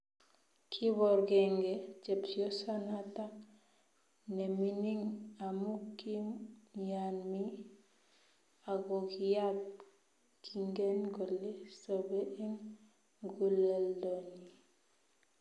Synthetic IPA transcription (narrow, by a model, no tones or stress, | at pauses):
kʰiβɔɾɡeŋɡet͡ʃebsiosanatak | neminiŋamukːijanmi | aɡokijat | kʰiŋɡenɡolːesobeʔeŋ | ɡuleldoni